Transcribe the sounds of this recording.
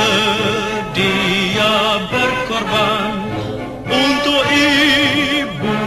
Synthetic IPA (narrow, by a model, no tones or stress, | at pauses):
ɖijabəɾkɔɾban | unt̪oʔi | bu